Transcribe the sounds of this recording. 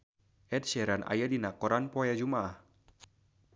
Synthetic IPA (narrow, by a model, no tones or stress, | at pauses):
ʔɛt̪̚ʃɛɾanʔa̰jadinakɔɾanpɔjad͡ʒumah